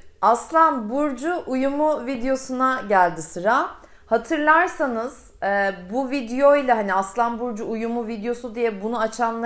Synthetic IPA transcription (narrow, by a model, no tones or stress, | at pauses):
aslˠanbuɾd͡ʒuʔujumuvid̪ejo̞sunaɟælʲd̪isɯɾa | hat̪ʰɯɾlˠaɾsanɯz̥ | ɛbuvid̪ejo̞ilʲaɦaniaslˠanbuɾd͡ʒuujumuvid̪ejo̞sud̪ijɛbunuat͡ʃʰanlˠa